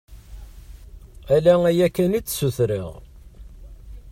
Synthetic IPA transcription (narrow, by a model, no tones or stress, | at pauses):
ælææjækːænit͡sːsuθɾḭʁ